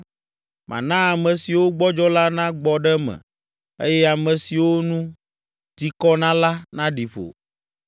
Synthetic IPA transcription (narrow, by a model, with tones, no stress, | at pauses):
mʔã̰˨nã˦a˨mɛ̃˨si˨wo˦ɡ͡bɔ˦d͡ʒɔ˦la˦nã˦ɡ͡bɔ˨ɖɛ˦mɛ̰̃˨ | ḛ˦jɛ˦a˨mɛ̃˨si˨wo˦nũ˦ | t̪i˨kɔ˦nã˦la˦nã˦ɖi˨ɸo̰˨